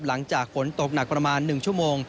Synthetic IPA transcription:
p̚la˩˦ŋt͡ɕaː˨˩k̚fo˩˦nt̪o˨˩k̚na˨˩k̚pɾa˧maː˧nːɯ˨˩ŋt͡ɕʰu˥˩əmoː˧ŋ

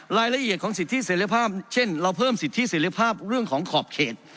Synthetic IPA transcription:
ɾaː˧jla˧ʔi˨˩ət̪̚kʰɔː˩˦ŋsi˨˩t̪ʰːi˦˥seː˩˦ɾi˧pʰaː˥˩p̚t͡ɕʰe˥˩nɾa˧wpʰɤː˥˩msi˨˩t̪ʰːi˦˥seː˩˦ɾi˧pʰaː˥˩p̚ɾɯ˥˩əŋkʰɔː˩˦ŋkʰɔː˨˩p̚kʰeː˨˩t̪̚

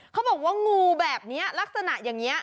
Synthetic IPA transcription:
kʰa˧˦wŋ͡mbɔː˨˩k̚waː˧˥˩ŋuː˧bɛː˨˩p̚ni˨˦˥əlaː˦˥k̚sa˧na̰˧˩ʔjaː˨˩ŋi˨˦˥ɐ

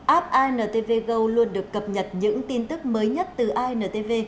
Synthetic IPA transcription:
ʔaː˦˥p̚ʔaː˧jnəː˨˩t̪e˧ve˧ɣə˧wlu˧ənɗɨ˨˩əkːə˨˩p̚ɲə˨˩t̚ɲɨ̰˧˥ŋt̪i˧nt̪ɨ˦˥k̚məː˨˦jɲə˦˥t̚t̪ɨ˨˩ʔaː˧jnəː˨˩t̪e˧ve˧

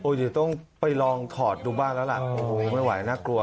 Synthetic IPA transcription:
ʔoː˧˩d̪i˨˩t̪ɔ˥˩ŋpa˧jlɔː˧ŋt̪ʰɔː˨˩t̪̚duː˧baː˥˩nlɛː˦˥wla̰˨˩o˧oː˧˩ma˥˩jwa̰˩˦jnaː˥˩klu˧ɐ

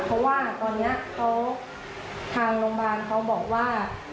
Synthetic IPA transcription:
pʰɔ˦˥waː˥˩˨t̪ɔː˧nːi˦˥ɐkʰa˦˥w | t̪ʰaː˧ŋloː˧ŋbaː˧nkʰa˦˥wbɔː˨˩k̚waː˥˩

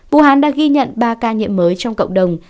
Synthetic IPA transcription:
vṵ˧˨ɦaː˨˦nɗa̰ː˧˥ɣi˧ɲə̰˧˨nɓaː˧kaː˧ɲḭ˧˨əmːəː˨˦jt͡ɕɔ˧wŋ͡mkə̰˧˨wŋ͡mɗə˨˩wŋ͡m

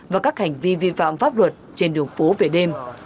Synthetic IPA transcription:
vaː˨˩kaː˦˥k̚ha˨˩jŋ̟vi˧vḭ˧˨fa̰ː˧˨mfaː˦˥p̚lwə˨˩t̚t͡ɕe˧nɗɨ˨˩əŋfo˨˦ve˨˩ɗe˧m

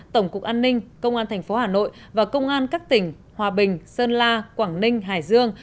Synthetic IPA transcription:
t̪ə˧˩wŋ͡mku˨˩k̚ʔaː˧nːï˧ŋ̟kə˧wŋ͡mʔaː˧nt̪ʰŋ̟fo˨˦haː˨˩no̰˧˨j | vaː˨˩kə˧wŋ͡mʔaː˧nkaː˦˥k̚t̪ï˧˩ŋ̟ | hwaː˨˩ɓï˨˩ŋ̟səː˧nlaː˧kwaː˧˩ŋnï˧ŋ̟ɦa̰ː˧˨˩jzɨ˧əŋ

